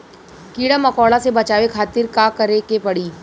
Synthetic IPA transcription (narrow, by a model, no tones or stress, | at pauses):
kiːɽamɐkɔːɽasebɐt͡ʃaːʋekʰaːt̪ɪɾkaːkɐɾekepɐɽiː